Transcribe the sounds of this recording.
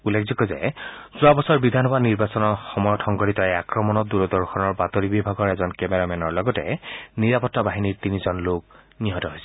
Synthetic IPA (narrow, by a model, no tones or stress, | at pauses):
ulːekʰzɔkɔzɛ̰ | z̥uabɔsɔɹbid̪ʱanɦɔbaniɹbasɔnɔxɔmɔjɔtʰɔŋɡɔɹitɔɛakɹɔmɔnɔt̚duɹɔdɔɹxʰɔnɔɹbatoɹibibʱaɡɔɹɛzɔnkɛmɛɹamɛnɔɹlɔɡɔtɛ̰niɹapɔtːabaɦiniɹtinizɔnlok̚ | niɦɔtɔɦojsɛ̥